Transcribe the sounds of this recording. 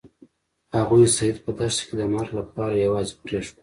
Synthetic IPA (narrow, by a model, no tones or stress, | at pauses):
haɣujsajid̪̚pəd̪aʃked̪əmaɾlapɑɾajawɑzepɾeʂ